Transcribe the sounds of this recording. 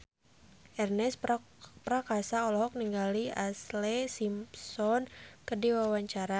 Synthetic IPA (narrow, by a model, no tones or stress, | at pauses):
ʔɛrnɛs | pɾakasaɔlɔɦɔk̚niŋɡaliaslɛsimsɔnkədiwawaɲt͡ʃaɾa